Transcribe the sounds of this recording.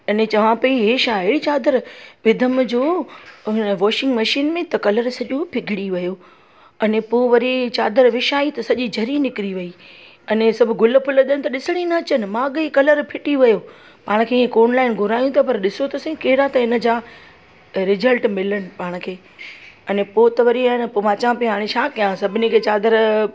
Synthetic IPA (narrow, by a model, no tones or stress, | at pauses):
ɐnẽt͡ɕɐʋãpɐiɦeːʃaːɦɪɽit͡ɕaːd̪əɾʋɪd̪ʱəmd͡ʑoː | nʋɔːʃɪ̃ŋɡmɐʃiːnmẽt̪ɐkɐləɾsɐʄopʰɪɡʱɪɽiʋɐjoː | ɐnẽpoːʋɐɾit͡ɕaːd̪əɾʋɪʃaːit̪ɐsɐʄid͡ʑʱɐɾinɪkɪɾiʋɐi | ɐnẽsɐbʱʊ̆ɡʱʊl̆pʰʊləɗ̪ənɪ̆t̪ɐɗɪsɪɽ̃inɐːt͡ɕənɪ̆maːɠikɐləɾpʰɪʈiʋɐjo | paːɽ̃̆kʰeːɦẽkoːnlaːɪnɡʱʊɾaːjũt̪ʰapɐɾɗɪsot̪ʰɐsẽkeːɪɾat̪ɐɪnə̆d͡ʑaː | ɾɪzəlʈmɪləɽ̃ɪ̆paːɽ̃̆kʰeː | ɐnẽpoːt̪ɐʋɐɾiaːnpoʋaːt͡ɕãpĩɦaːɽ̃ẽʃʰaːkijãsɐbʱɪnekʰeːt͡ɕaːd̪əɾ